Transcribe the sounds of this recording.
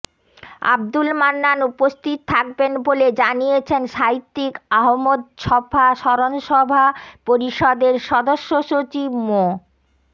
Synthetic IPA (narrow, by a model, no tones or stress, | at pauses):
a̰b̚d̪ulmanːanupost̪ʰit̪̚t̪ʰak̚benboled͡ʑaniet͡ɕʰenʃajt̪ːikaɦomod̪ʃɔbʰʱaʃɔɾonʃɔbʱapoɾiʃɔd̪eɾʃɔd̪oʃːoʃot͡ɕibmo